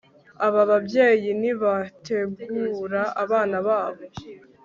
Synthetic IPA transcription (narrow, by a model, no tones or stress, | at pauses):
aβaβabje̞ːjiniβatʰe̞ɡuːɾaaβaːnaβaːβo̞